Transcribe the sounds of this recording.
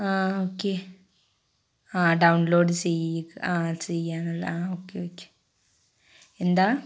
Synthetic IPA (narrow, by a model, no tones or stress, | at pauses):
aːoːkːe | aːɖɐwnloːɖt͡ɕejaːt͡ɕejaːnɐlːaːoːkːeoːkːe̥ | end̪aː